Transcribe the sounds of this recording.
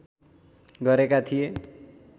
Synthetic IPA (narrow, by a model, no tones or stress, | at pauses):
ɡʌɾekat̪ʰije